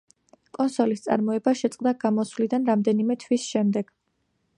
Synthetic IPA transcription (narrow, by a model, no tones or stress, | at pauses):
kʼɔnsɔlist̪sʼa̰ɾmɔɛbaʃɛt̪sʼqʼd̪aɡ̥amɔsvlid̪anɾamd̪ɛnimɛt̪ʰwisʃɛmd̪ɛɡ̥